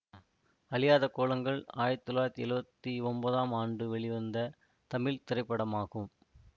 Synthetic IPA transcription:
ɐlɪjaːðɐkːoːlɐŋɡɐɭaːjɾt̪ːɔlːaːjɾɐt̪ːiɛɻɯbɐt̪ːiɔnbɐðaːmaːɳɖɯʋɛɭɪʋɐnd̪ɐ | t̪ɐmɪlt̪ɪɾɐɪpːɐɽɐmaːɣɯm

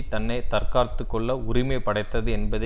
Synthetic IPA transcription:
t̪ɐnːɐt̪ɐrkaːɾt̪ːɯkːɔɭːɐʊɾɪmeːpːɐɽɐɪt̪ːɐðɯɛnbɐðɐ

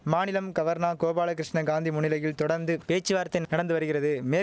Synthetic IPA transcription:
maːnɪlɐmɡɐʋɐɾnaːkoːbaːlɐkɪɾɪʂɳɐɡaːnd̪imʊɳɪlɐjɪlt̪ɔɽɐɾnd̪ɯpeːt͡ʃːɯʋaːɾɐt̪ːɪnnɐɽɐnd̪ɯʋɐɾɯɣɪrɐðɯmeː

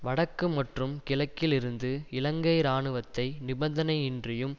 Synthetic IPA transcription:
ʋɐɽɐkːɯmɐʈrɯmkɪlɐkːɪlɪɾɯnd̪ɯɪlɐŋɡɐɪɾaːɳɯʋɐt̪ːɐɪnɪbɐnd̪ɐnɐɪɪndrɪjɯm

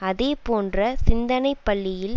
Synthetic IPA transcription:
ɐðeːpoːndrɐsɪnd̪ɐnɐɪpːɐɭːɪjɪl

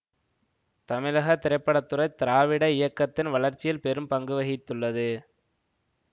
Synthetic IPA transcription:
t̪ɐmɪlɐɣɐt̪ɪɾɐɪpːɐɽɐt̪ːɯɾɐɪt̪ɪɾaːʋɪɽɐɪjɐkːɐt̪ːɪnʋɐɭɐɾt͡ʃːɪjɪlpɛɾɯmpɐŋɡɯʋɐɣɪt̪ːɯɭːɐðɯ

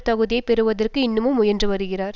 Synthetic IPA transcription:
t̪ɐɣɯðɪjɐpɛɾɯʋɐðɐrkɯɪnːɯmɯmːʊjɐndrɯʋɐɾɯɣɪraːɾ

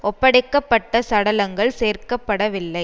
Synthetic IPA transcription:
ʔɔpːɐɽɐɪkːɐpːɐʈːɐsɐɽɐlɐŋɡɐɭseːrkɐpːɐɽɐʋɪlːɐɪ

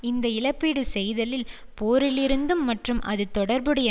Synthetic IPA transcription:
ɪnd̪ɐɪlɐpːiːɽɯsɛjðɐlɪl | poːɾɪlɪɾɯnd̪ɯmːɐʈrɯmʔɐðɯt̪ɔɽɐɾbɯɽɐjɐ

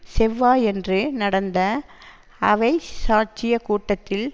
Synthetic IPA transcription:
sɛʋːaːɛndrɯnɐɽɐnd̪ɐ | ɐʋɐɪsaːt͡ʃɪjɐkuːʈːɐt̪ːɪl

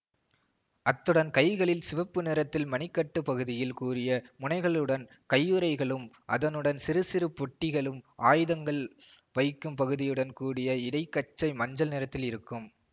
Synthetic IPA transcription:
ʔɐt̪ːɯɽɐnkɐɪɣɐɭɪlsɪʋɐpːɯnɪːɾɐt̪ːɪlmɐnɪkːɐʈːɯpɐɣɯðɪjɪlkuːrɪjɐmʊnɐɪɣɐɭɯɽɐn | kɐjːɯɾɐɪɣɐɭɯm | ʔɐ̰ðɐnɯɽɐnsɪɾɯsɪɾɯpːɔʈːɪɣɐɭɯmʔaːjðɐŋɡɐɭ | ʋɐɪkːɯmpɐɣɯðɪjɯɽɐnkuːɽɪjɐɪɽɐɪkːɐt͡ʃːɐɪmɐɲd͡ʒɐlnɪːɾɐt̪ːɪlɪɾɯkːɯm

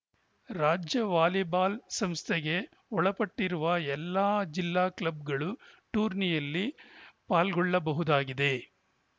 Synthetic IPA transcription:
ɾaːd͡ʒjɐʋaːlibaːlsɐmst̪ʰɛɡe̞ | ɔɭɐpɐʈːiɾuʋɐɛlːaːd͡ʒilːaːklɐb̚ɡɐɭuʈuːɾnijɐlːipaːlɡɔɭːɐbɐɦud̪aːɡid̪e̞

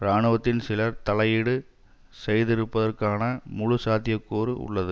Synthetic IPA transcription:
ɾaːɳɯʋɐt̪ːɪnsɪlɐɾt̪ɐlɐjɪɽɯ | sɛjðɪɾɯpːɐðɐrkaːnɐmʊɻʊsaːt̪ɪjɐkːoːɾɯʊ̰ɭːɐðɯ

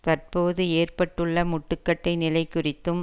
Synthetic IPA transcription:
t̪ɐrpoːðɯeːrpɐʈːɯɭːɐmʊʈːɯkːɐʈːɐɪnɪlɐɪkʊrɪt̪ːɯm

